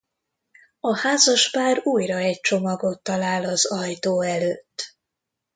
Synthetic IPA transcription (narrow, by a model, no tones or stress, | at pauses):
ɒhaːzɒʃpaːruːjrɒɛc̚t͡ʃo̞mɒɡo̞t̪ːɒlaːlɒzɒjt̪oːɛløːt̪ː